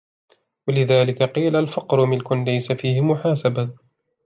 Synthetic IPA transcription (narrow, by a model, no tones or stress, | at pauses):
walɪðaːlɪkaqiːlalfɑqɾʊmɪlkʊnlajsafiːhɪmʊħaːsaba